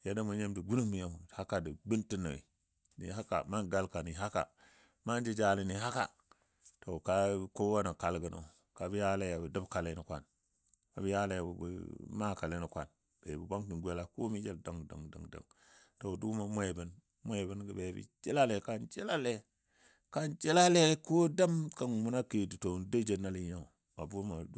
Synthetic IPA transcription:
ja˦da˦mu˨ɲe˦mdə˨ɡu˦nu˦mi˨ja˦˨ha˦ka˨də˨bi˦nti˦nə˨ḭ˨ | nḭ˨ha˦ka̰˨ma˦nɡa˦lka˨ni˨ɦa˦ka̰˨ | ma˦n˦d͡ʒi˦d͡ʒa˦li˨ni˨ɦa˦ka̰˨ | to˨ka˦ko˦wa˦na˨ka˦lɡə˨na̰˨ | ka˨bi˦ja˦la˦ja˨bə˨də˦bka˨la˦nə˨kʷa˦n | ka˨bi˦ja˦la˦ja˨bb̰ma˦ka˨le˦ni˨kʷa̰˦n | bḛ˨bi˨ba˦ŋti˨nɡʷe˦la˨ko˦mi˦d͡ʒe˦lda˨ŋ˨da̰˨ŋda̰˨ŋda̰˨ŋto˨du˦ma˨mʷe˦˨bə˨n | mʷ˦a˦˨bə˦nɡə˨be˨˦bḭ˦d͡ʒe˦la˦le˨ka˦nd͡ʒe˦la˦le˦ | ka˦nd͡ʒe˦la˦le˦ko˦da˦mka˨nmu˦na˦ki˨di˨to˨n˨də˦d͡ʒe˨na˦li˨ja˦u˨ | a̰˨bu˦ma˨˦

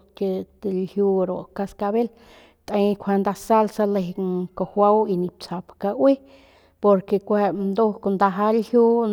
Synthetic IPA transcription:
ke˧t̪e˨lhju˧ɾo˨ka˧ska˧be˦l | t̪ʔa˧jkʷʰe˧nd̪a˧sa˦lsa˧le˧ɦko˨hʷa˦wi˧ni˧p̚t͡sa˨pka˧wi˦ | po˧ɾke˧˨kʷe˧nd̪o˦ko˧nd̪a˧ɦa˦lhju˦

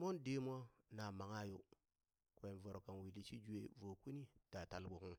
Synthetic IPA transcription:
mo˦nde˦m˦a˦na˨ma˨ŋa˦jo˦ | kwe˨vo˨ɾka˨n˨wi˨li˦t͡ʃi˦d͡ʒu˦e˦vo˨ku˦ni˦ta˨ta˨lbo˨ku˦

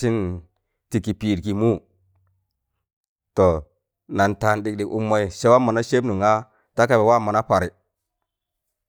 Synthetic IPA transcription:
si˦n | ti˨ki˨pi˨ɾki˨mu˦ | to˨ | na˨nta˨nɗi˨k̚ɗi˨ku˦mːa˨i˨se˦wa˦mːa˨na˦ʃe˦bnu˨ŋa˦ | ta˦ka˨be˨wa˦˨ma˨na˦pa˨ɾi˨

